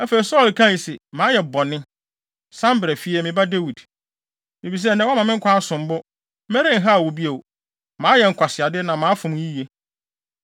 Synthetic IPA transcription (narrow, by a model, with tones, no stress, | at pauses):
æ˦fe˨i˨sɔ˦˨lkʰã˦˨i˨sɛ˨mãː˨˦jɛ˨bɔ˨nɪ̃˦ | sã˦mbɾɛ˨fi˦ɛ˦mɪ̃˨ba˦de˦wi˨d | mɪ̃˨bi˨s̬ɛ˦nɛ̃˦wmã˨mɪ̃˦ŋ̩˦kʷʰa˦sʊ̃˨m˦bʊ˦ | mɛ˦ɾɪ̃˦ŋ̩˦ɦa˦˨wo˨bi˦e˨w | mãː˨˦jɛ˨ŋ̩˨kʷʰa˨sɪ˨a˨dɪ˦nã˨mã˨˦fʊ̃˨m˨˦ji˦je˦